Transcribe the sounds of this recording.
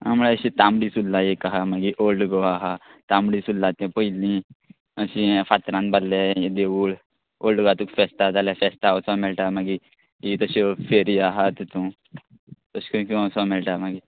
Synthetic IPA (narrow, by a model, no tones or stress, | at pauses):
a̰mɭeəɕit̪ãmɽisullajekaɦamaɡiʔolɖɡoaɦat̪amɽisullat̪ẽpəjlĩ | əsĩfat̪ɾãnballeed̪eʋuːɭ | olɖɡat̪ũkfesʈat̪alafesʈ̪awsɔ̃melʈamaɡi | it̪əɕefeɾiaɦat̪t̪ũ | t̪əskũkũãsɔmɛlʈamaɡi